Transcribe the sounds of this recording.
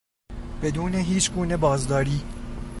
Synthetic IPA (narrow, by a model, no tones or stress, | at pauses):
b̥e̞d̪uːneɦiːt͡ʃʰɡuːne̞bɒːzd̪ɒːɾiː